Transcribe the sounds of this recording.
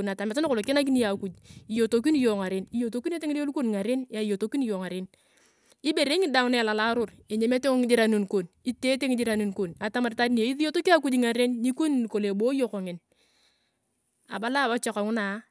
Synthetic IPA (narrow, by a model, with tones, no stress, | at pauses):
na˨ta˨mɪ˨ta˦n˦ko˨lo˨kɪ˦na˦k̬i˦ni˦ja˨ku˨d͡ʒi˨jo˨to˨k̬i˦n˦jo˨ŋa˨ɾe˦ni˦jo˨to˦ki˦ne˦te˦ŋ˦do˦u˦ko˦n˨ŋa˨ɾe˦nja˨jo˨to˦ki˦n˦jo˨ŋa˨ɾe˦n | i˦be˨ɾe˦ŋɪ˦da˨ŋʊ˦na˦a˨la˨la˦ɾʊ˦ɾe˨ɲe˨me˦te˦o˦ŋɪ˦d͡ʒɪ˦ɾa˨˦nu˨nko˨ni˦te˦te˦ŋɪ˦d͡ʒɪ˦ɾa˨nu˨nko˨na˨ta˦ma˨ɾta˦di˦n˨e˨i˦ði˦jo˦to˦ki˦a˦ku˦d͡ʒŋa˨ɾe˦nːi˦ko˦n˨n˨ko˨le˨bo˦jo˦ko˨ŋɪ˨n | a̰˨ba˦la˦˨wa˦t͡ʃɔ˨ka˨ŋʊ˦na˨˦